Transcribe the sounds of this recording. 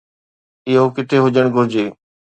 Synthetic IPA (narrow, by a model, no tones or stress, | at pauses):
ɪɦokɪt̪ʰeɦʊd͡ʒəɽ̃ɡʱʊɾd͡ʑeː